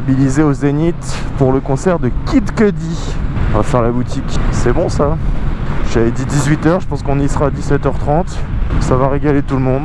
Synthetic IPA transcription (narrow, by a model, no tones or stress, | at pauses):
bilizeozenit̪puʁləkɔ̃sɛʁd̪əkʲid̪kəd̪iɔ̃vafɛʁlabut̪ikʲsɛbɔ̃sa | ʒad̪id̪izɥit̪œʁʒəpɑ̃skɔ̃nisχaːd̪isɛt̪œʁt̪χɑ̃t̪savaʁeɡalet̪ulmɔ̃d̪